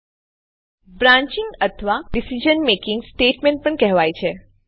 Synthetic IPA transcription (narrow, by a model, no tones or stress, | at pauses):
bɾãɲt͡ʃɪ̃ŋɡət̪ʰəʋaɖisid͡ʒənmekɪ̃ŋɡsʈeʈmẽɳʈ̚pəɳkɛɦʋajt͡ʃʰe